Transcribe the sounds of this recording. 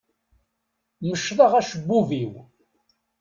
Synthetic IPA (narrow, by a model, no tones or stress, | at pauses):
məʃːðˤəʁæʃəbːuviw